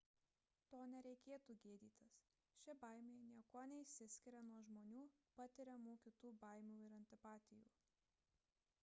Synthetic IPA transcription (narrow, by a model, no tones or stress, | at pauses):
t̪oːnʲɛɾʲɛɪkʲeːt̪uːɡʲeːd̪ʲiːt̪ʲɪs | ʃʲɪbɐɪmʲeːɪnʲiɛkoːnʲɛɪsʲɪsʲkʲɪɾʲɛnuɔʒmoːnʲuːpɐt̪ʲɪɾʲɛmoːkʲɪt̪uːbɐˑɪmʲuːɪɾɐnʲt̪ʲɪpɑːt̪ʲɪjṵː